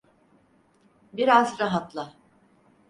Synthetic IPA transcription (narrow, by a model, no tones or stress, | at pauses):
biɾazɾaɦat̪lˠɯ